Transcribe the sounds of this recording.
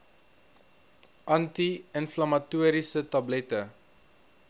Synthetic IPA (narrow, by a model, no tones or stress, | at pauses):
ʔɐntiənflɐmɐtuəɾisətɐblɛtə